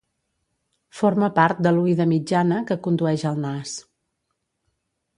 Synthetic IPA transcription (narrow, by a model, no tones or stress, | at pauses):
foɾməpaɾt̪̚d̪əluiðəmid͡ʒanəkəkund̪uɛʒəlˠnas